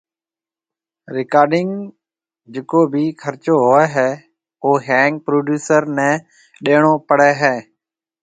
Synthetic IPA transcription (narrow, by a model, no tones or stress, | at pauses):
ɾɪkaːɾɖɪŋ | d͡ʒɪkoːbʱiːkʰəɾt͡ʃoːɦoːɛːɦɛː | oːɦɛːŋk̚pɾoːɖjuːsəɾnɛ̃ː | ɗeːɳoːpəɽɛːɦɛː